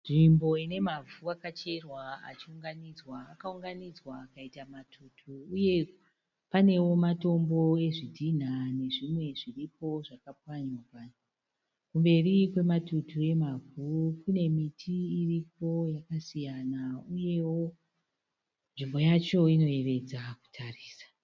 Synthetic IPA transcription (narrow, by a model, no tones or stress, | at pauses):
nʐimbo̞ine̞mavʱuakat͡ʃe̞rwaa̰t͡ʃiuŋɡanid͡zwaːkauŋɡanid͡zwaːkaitamatʰutʰuːje̞ | pane̞wo̞mato̞mbo̞e̞ʐidʱin̤ane̞ʐimwe̞ʐiripo̞ʐakap̚waɲwapa | kumbe̞rikwe̞matutue̞maɡʱukune̞mitʰiːrip̚o̞jakasijanauje̞wo̞ | nʐimbo̞jat͡ʃo̞ino̞e̞ʋe̞d͡zaku̥tʰariːsḁ